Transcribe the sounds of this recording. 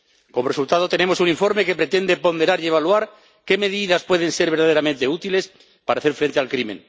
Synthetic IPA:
ko̞moresult̪aðo̞t̪e̞ne̞mo̞suniɱfo̞ɾmeke̞pɾet̪e̞nd̪e̞po̞nd̪e̞ɾaɾie̞β̞alwaɾ | ke̞me̞ðiðaspwe̞ð̞e̞nse̞ɾβeɾðaðe̞ɾament̪e̞ut̪ile̞s | paɾaːθeɾfɾe̞nt̪ealkɾimẽŋ

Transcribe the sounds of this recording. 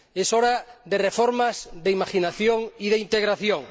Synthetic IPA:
esoɾaðerefoɾmazðeimaʃinaθjoŋiðeint̪eɣɾaθjoŋ

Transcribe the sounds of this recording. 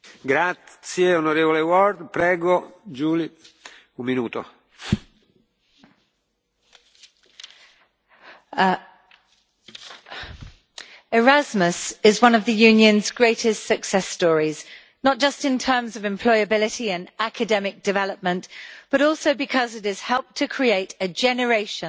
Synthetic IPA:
ɡɾasjeonoɾeːvolewɔɾd̪pɾɛːɡod͡ʒuːli | umminuːt̪o̰ | ɪɹazməsɪzwʌ̃nəvðəjʉ̃ːnjə̃nzɡɹeɪtʰɪstsəksɛstɔːɹiz | nət̚d̥ʒ̥ʌstɪ̃ntʰɜːmzəvɛ̃mpʰl̥ɔɪəbɪlɪtiə̃nakʰədɛmɪk̚d̥ɪvɛləp̚mə̃nb̥ʌɾɔˑlˠsəʊbɪkʰʌzɪtɪz̥hɛlˠp̚tʰəkʰɹ̥ieɪtəd͡ʒɛnəɹeɪʃə̃

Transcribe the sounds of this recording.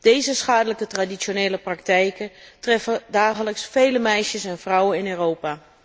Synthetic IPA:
d̥ejzəsχaːdələkətradisoneːləprɑk̚tɛjkətrɛfədaːχələksfejləmɛjʃəsɛnvrʌwənɪnøːrowpaː

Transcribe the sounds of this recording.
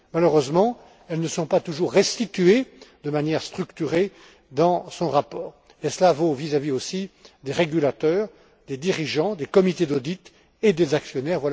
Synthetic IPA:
maləʁøzmɑ̃ | ɛlnəsɔ̃pat̪uʒuʁːɛst̪it̪yed̪əmanjɛʁst̪χykt̪yʁe | d̪ɑ̃sɔ̃ʁapɔːʁ | esəlavovizaviosid̪eʁeɡʲylat̪œːʁ | d̪ed̪iʁiʒɑ̃d̪ekɔmit̪ed̪od̪it̪ | ed̪ezaksjɔnɛʁvwala

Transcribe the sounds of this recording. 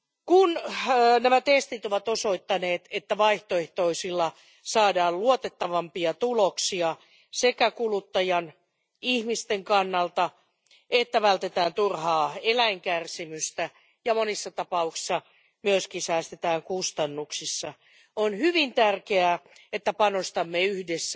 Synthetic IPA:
kunːnæmæt̪est̪it̪oʋɑt̪osoit̪ːɑneːt̪et̪ːæʋɑiht̪oeht̪oisilːɑ | sɑːdɑːlluot̪et̪ːɑʋɑmpiɑt̪uloksiɑ | sekækulut̪ːɑjɑn | ihmist̪eŋkɑnːɑlt̪ɑ | et̪ːæʋælt̪et̪æːnt̪urhɑːelæiŋkærsimyst̪æ | jɑmonisːɑt̪ɑpɑuksi̥sːɑ | myøskinsæːst̪et̪æːŋkust̪ɑnːuksisːɑ | onhyʋint̪ærkeæːet̪ːæpɑnost̪ɑmːeyhdesːæ

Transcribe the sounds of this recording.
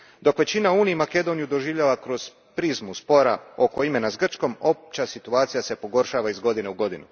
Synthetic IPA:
d̪o̞kʋe̞t͡ɕinauːniimake̞d̪o̞nijud̪o̞ʒiːʋʎaʋakɾo̞z̥ | pɾizmuspo̞ɾao̞ko̞ime̞nasɡr̩t͡ʃko̞mo̞p̚t͡ɕasit̪uaːt̪sijase̞po̞ɡo̞ɾʃaːʋaizɡo̞d̪ine̞uɡo̞d̪inu

